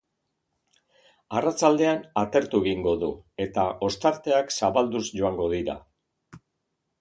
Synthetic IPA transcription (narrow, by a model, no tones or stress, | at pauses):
arat͡ʃald̪e̞anat̪e̞ɾt̪ueɣiŋɡo̞ðue̞t̪aʔo̞st̪aɾt̪e̞aksaβald̪usʝo̞aŋɡo̞ðiɾa̰